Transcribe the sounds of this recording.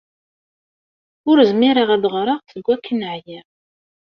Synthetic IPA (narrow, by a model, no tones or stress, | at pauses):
ʊɾəzmiɾəʁæðʁɾˤəʁθəɡʷːækʰːənəʕjɪʁ